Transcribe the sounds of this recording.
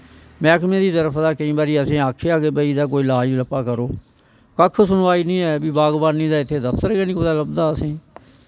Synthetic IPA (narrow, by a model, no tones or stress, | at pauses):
mɛ̃ːkmẽːd̪iːt̪əɾəpʰd̪aːkəĩːbaːɾiːəsĩːaːkʰːeːaːkebəiːd̪aːk̬oːiːlaːiːləpaːkəɾoː | kəkʰːsʊnʋaːiːnĩːɛːbiːbaːɡbaːnːĩːd̪aːɪt̪ʰːeːd̪əpʰt̪əɾɡeːnĩkoːd̪aːləbd̪aːəsĩː